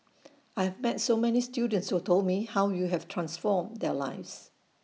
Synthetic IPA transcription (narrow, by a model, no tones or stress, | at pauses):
aɪjhɛvmɛtsomɛnistjudə̃ntshutʰoldmihawjuɦɛvtʰɹãnsfɔmd̪ɛla̰ɪfs